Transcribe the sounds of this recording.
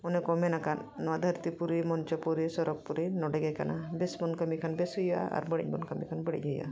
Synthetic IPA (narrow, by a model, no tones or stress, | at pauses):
ɔnɛkɔmɛnakanːɔwad̪ʱəɾt̪ipuɾimɔnt͡ʃɔpuɾisɔɾɔk̚puɾinɔɖɛɡɛkanabɛsbɔnkəmikʰanbɛsɦuja̰a̰ɾbəɽḭc̚mɔnkəmikʰanbəɽḭcɦuja̰